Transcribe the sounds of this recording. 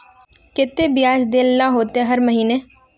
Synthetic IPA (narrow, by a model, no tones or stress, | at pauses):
kɪt̪ːeːbɪjaːd͡ʒd̪eːlnaːɦoːt̪eɦəɾməɦiːneː